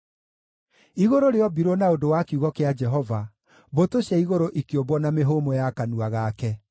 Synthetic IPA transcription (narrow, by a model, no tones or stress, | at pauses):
iɣoɾoɾeɔbiɾonaodowakuɣɔkead͡ʒɛɦɔva | βotoɕɛiɣoɾoʔikeobwɔnameɦoːmɔjakanuaɣakɛ